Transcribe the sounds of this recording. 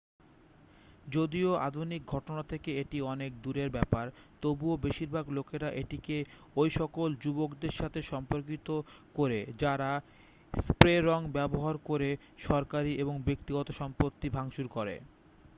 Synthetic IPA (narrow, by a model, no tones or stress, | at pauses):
d͡ʑod̪ioa̰d̪ʱunik̚ɡʱɔʈonat̪ʰekeeʈiɔnek̚d̪uɾeɾbɛpaɾt̪obuobeʃiɾbʱaɡlokeɾaʔeʈike | ojʃɔkold͡ʑubokd̪eɾʃat̪ʰeʃɔmpoɾk̬it̪okoɾed͡ʑaɾa | spɾeɾɔŋbɛboɦaɾkoɾe | ʃɔɾkaɾiʔeboŋbekt̪iɡɔt̪oʃɔmpot̪ːibʱaŋʃuɾkoɾḛ